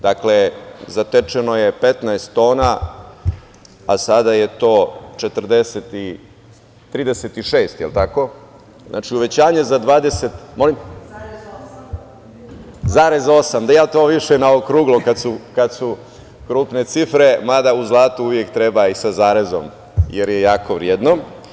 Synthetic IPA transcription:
d̪aklezat̪et͡ʂeno̞jepet̪naest̪ːo̞ːna | asad̪aje̞t̪o̞ːt͡ʃet̪r̩d̪eset̪i | t̪ɾiːd̪eset̪iʃeːst̪jelt̪ako̞ | zna̰t͡ʃiuʋe̞t͡ɕaːɲezad̪ʋaːd̪e̞set̪mo̞lim | zaːɾezo̞samd̪ajaːt̪o̞ːʋiʃenaokɾuːɡlˠokad̪sukad̪su | kɾuːpne̞t̪sifɾe̞mad̪auzlˠaːt̪uuʋje̞kt̪ɾebaisazaːɾezo̰m | jeɾjejaːko̞ʋɾied̪no

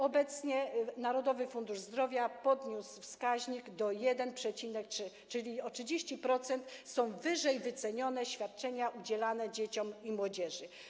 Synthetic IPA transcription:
ɔbɛt̪sɲɛnaɾɔd̪ɔvɘfund̪uʐzd̪ɾɔvʲjapɔd̪ɲusfskaʑɲiɡd̪ɔjɛd̪ɛnpʂɛt͡ɕinɛktʂɘ | t͡ʂɘlʲiɔtɘd͡ʑeɕt͡ɕipɾɔt̪sɛnt̪sɔ̃w̃vɘʐɛjvɘt̪sɛɲɔnɛɕfʲjat̪̚t͡ʂɛɲaʔud͡ʑɛlanɛd͡ʑet͡ɕɔmimwɔd͡ʑɛʐɘ

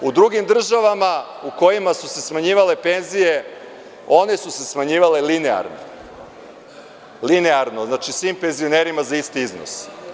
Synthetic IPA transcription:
ud̪ɾuɡimd̪r̩ʒaʋama | uko̞jimasuse̞smaɲiːʋale̞pe̞nzije̞ | o̞ne̞suse̞smaɲiːʋale̞linea̰ɾno̰ | lineaɾno̞znat͡ʃisʋiːmpe̞nzioneɾimazaist̪iizno̰s

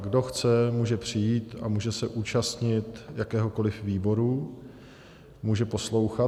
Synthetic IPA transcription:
ɡdo̞xt͡sɛmuːʒɛpr̝̥ɪjiːt̪a̰muːʒɛsɛʔuːt͡ʃast̪ɲɪt̪jakɛːɦo̞ko̞lɪfviːbo̞ɾu | muːʒɛpo̞slo̞wxa

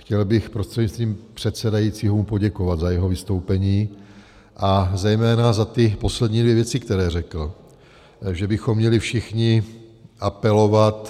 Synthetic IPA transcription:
xcɛlbɪxpɾost̪r̥ɛdɲɪst̪viːmpr̝̥ɛt̪sɛdajiːt͡siːɦoumpoɟɛkovad̪zajɛɦo̞vɪst̪owpɛɲiː | ʔazɛjmɛːnazat̪ɪpo̞slɛdɲiːdvjɛvjɛt͡sɪkt̪ɛɾɛːrɛkl̩ | ʒɛbɪxomːɲɛlɪfʃɪxɲɪʔapɛlo̞vat̪

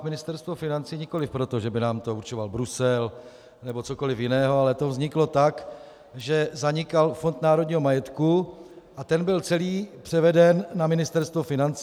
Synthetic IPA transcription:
mɪnɪst̪ɛɾst̪vofɪnant͡siːɲɪko̞lɪfpɾot̪o̞ʒɛbɪnaːmt̪o̞uɾt͡ʃovalbɾusɛl | nɛbo̞t͡so̞ko̞lɪfjɪnɛːɦoalɛt̪ovzɲɪklo̞t̪ak | ʒɛzaɲɪkalfo̞nt̪naːɾodɲiːɦo̞majɛt̪kuʔat̪ɛnbɪlt͡sɛliːpr̝̥ɛvɛdɛnːamɪnɪst̪ɛɾst̪vofɪnant͡s

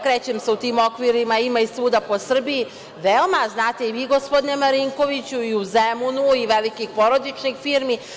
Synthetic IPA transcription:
kɾeːt͡ɕemseut̪iːmokʋiɾimaimaisuːd̪apo̞sr̩biji | ʋeomaznaːt̪e̞iʋiːɡo̞spod̪nemaɾiŋko̞ʋit͡ɕuiuzemunuiʋelikixpo̞ɾo̞d̪it͡ʃnixfiːɾmi

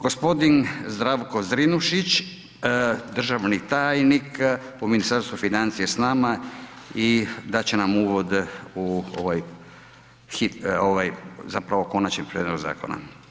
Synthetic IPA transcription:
ɡ̥ospo̞d̪inzd̪ɾaʋkozɾinuʃit͡ɕ | d̪r̩ʒaʋnit̪aːjnikuminist̪aɾst̪ʋufinant̪sijesnama | id̪at͡ɕenamuːʋod̪uo̰ʋaj | xioʋajzapɾaʋo̞ko̞nat͡ɕɲempɾied̪oɡza̰ːko̰na̰

